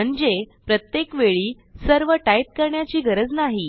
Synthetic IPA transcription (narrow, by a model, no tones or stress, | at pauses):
əɳd͡zepɾət̪jekʋeɭiː | səɾʋəʈaip̚kəɾɳjat͡ɕiːɡʱəɾəd͡znaɦi